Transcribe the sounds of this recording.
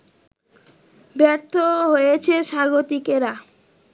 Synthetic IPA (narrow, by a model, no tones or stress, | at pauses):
bɛɾt̪ʰoɦojet͡ɕʰeʃaɡot̪ikeɾa